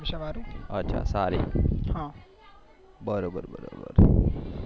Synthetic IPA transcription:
iʃaʋaɾuɐtːʃʰa̰saɾḭhã | bəɾoːbəɾbəɾo̰ːbə̰ɾ

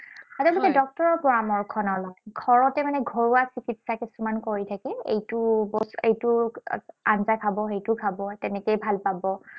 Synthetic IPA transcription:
atɛlɔkɛdɔk̚tɔɹɔɹpɔɹamɔɹkʰɔnɔlɔjɡʰʱɔɹɔtɛmanɛɡʱɔɹuasikitsakisumankoɹitʰakɛḛjtʊbɔsejtʊ | anzajkʰabɔxejtʊkʰabɔtɛnɛkejbʱalpabɔ

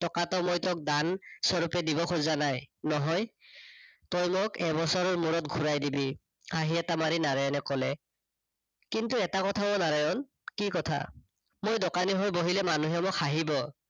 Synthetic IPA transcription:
tɔkatɔmojtɔk̚dansɔɹupɛdibɔkʰozanajnɔɦɔj | tɔjmokɛbɔsɔɹɔɹmuɹɔtɡʱuɹajdibi | aɦiɛtamaɹinaɹajɔnɛkɔlɛ | kintuɛtakɔtʰabɔnaɹajɔn | kikɔtʰa̰ | mojdɔkaniɦɔjboɦilɛmanuɦɛmʊkʰaɦibɔ

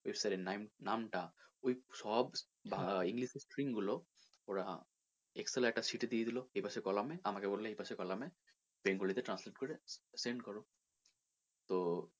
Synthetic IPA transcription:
ojbisaɾɛnamnamʈaojsɔb | bʱaiŋɡlisesʈɹiŋɡulo | oɹa | ekselaɛk̚ʈasiʈed̪ied̪iloejpasɔkɔlamɛamakebollɛejpasɔkɔlamɛ | beŋɡolit̪ɛʈɾansleʈ̚kɔɹɛseɳɖkɔɹo | t̪o

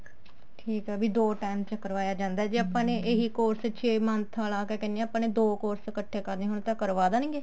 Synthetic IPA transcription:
ʈʰiːkɦɛːbiːd̪oːʈaːɪmt͡ʃəkəɾʋaːjaːd͡ʒãːnd̪aːd͡ʒiaːpãːneːʔeɦiːkoːɾst͡ʃʰeːmənt̪ʰaːlaːkeːkɛːnẽaːpãːneːd̪oːkoːɾskəʈʰːeːkəɾneːɦʊɳ̃t̪ãːkəɾʋaːd̪aːnĩːɡeː

